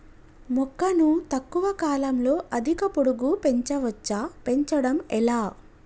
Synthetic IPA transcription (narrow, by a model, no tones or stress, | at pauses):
mɔkːɐnut̪ɐkːuʋɐkaːlɐmlo̞ːʔɐd̪ʱikɐpoɽuɡupe̞ɲt͡ʃɐʋɐt͡ʃːaːpe̞ɲt͡ʃɐɽɐmɛlaː